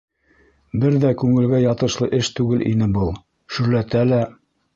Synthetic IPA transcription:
bɘɾðækʉŋɘ̆lɡæjɑt̪ɤ̆ʃlˠɤʔɘʃt̪ʉɡɘlʔḭnɘbɤlˠ | ʃɵ̆ɾlæt̪ælæ

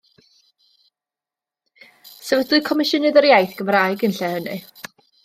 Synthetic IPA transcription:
sɛvədʊɨkʰɔmɪʃənɨðəɾjajθɡ̥əmrajɡənɬɛhənɨ

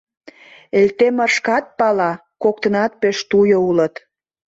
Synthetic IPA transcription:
elt̪emərʃkɑt̪̚pɑlɑ | kok̚t̪ə̆nɑt̪̚peʃt̪ujoulət̪

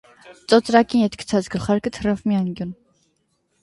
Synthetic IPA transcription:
t͡sʼɔt͡sʼɾɑkʼinɛt̪kʰt͡sʰɑt͡sɡəlχɑɾkət̪ʰərafmiɑŋɡjun

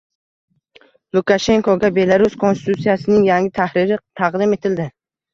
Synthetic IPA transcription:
lˠukaʃe̞ŋkoɡʲabe̞laɾuskʰonst̪ɪt̪ʰut̪sijasɪnɪŋjaŋʲɪt̪ʰahɾɪɾɪt̪ʰɑqd̪ɪme̞t̪ʰɪld̪ɪ

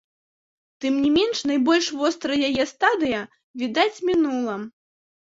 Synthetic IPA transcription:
t̪ɨmnʲimʲɛnʂnɐjbɔlʲʂvɔst̪ɾɐjajɛst̪ad̪ɨjɐ | vʲid̪at͡sʲmʲinulˠɐ

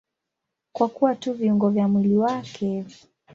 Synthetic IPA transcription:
kwakuwatuviuŋɡɔvjamwiliwakʰɛ

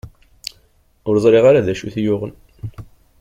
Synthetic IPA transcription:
ʊɾzˤɾeʁaɾaðæʃuθjʊʁən

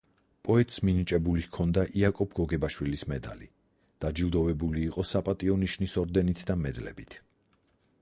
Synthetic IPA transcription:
pʼɔɛt̪ʼsminit͡ʃʼɛbulikʰɔnd̪aʔiakʼɔbʰɡɔɡɛbaʃwilismɛd̪a̰li | d̪̥ad͡ʒilˠd̪ɔvɛbuliːqʼɔsapʼat̪ʼiɔniʃnisɔɾd̪ɛnit̪ʰd̪amɛd̪lɛ̰bit̪ʰ

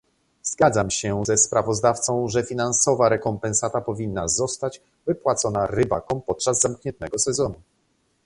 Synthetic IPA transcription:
zɡad̪zamɕɛzɛspɾavɔzd̪aft̪sɔ̃w̃ʐɛfʲinansɔvaɾɛkɔmpɛ̃nsat̪apɔvʲinːazɔst̪ad͡ʑ | vɘpwat̪sɔnaɾɘba̰kɔ̃wpɔt̪̚t͡ʂazːamkɲɛ̃nt̪ːɛɡɔsɛzɔnu

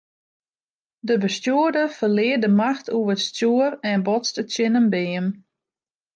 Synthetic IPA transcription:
dəbəstjuədəfərlɪədəmaxtʰuvətstjuərɛnbɔt͡stətsjɪnəmbɪːən

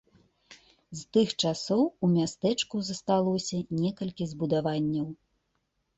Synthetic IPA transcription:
zt̪ɨxt͡ʂasɔwumʲast̪ɛt͡ʂkuzɐst̪alˠɔsʲɐnʲɛkɐlʲkʲizbud̪avanʲːɐw

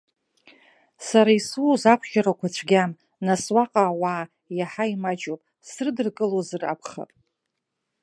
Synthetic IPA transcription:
saɾaisuzakʷʰχʲaɾakʷʰat͡ɕʷʰɡʲam | naswaqʼaːwaː | jaħaimad͡ʒopʼ | srɨdɨrkʼɨlozɨra̰pʰχa̰pʼ

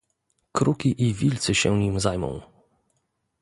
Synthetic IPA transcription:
kɾukʲiʔivʲilt̪sɘɕɛɲimzajmɔ̰̃w̃

